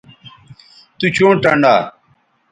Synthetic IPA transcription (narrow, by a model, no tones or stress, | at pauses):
t̪ut͡ɕõːʈɐɳɖaː